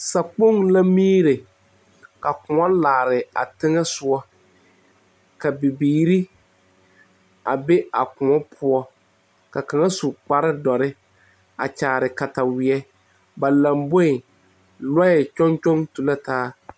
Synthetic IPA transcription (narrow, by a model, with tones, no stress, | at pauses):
sa˨k͡po˦˨ŋla˦miː˦ɾɪ˨ | ka˨kʊ̃˨ɔ˦laː˨ɾɪ˨a̰˨tɪ˦ŋɛ˦sʊ˨ɔ˦ | ka˨bi˨biː˨ɾi˦ | a˨be˦a˨kʊ˨ɔ˦pʰʊ˦ɔ˦ | ka˨ka˨ŋa˦su˨k͡pa˦ɾɪ˦dɔ˨ɾɪ˦ | a̰˨t͡ʃaː˨ɾɪ˨ka˨ta˨wɪ˨ɛ˦ | ba˨la˨mbo˦ɪ˨ | la˦ɛ˨t͡ʃɔ˦nt͡ʃɔ˦ŋtu˨la˦taː˦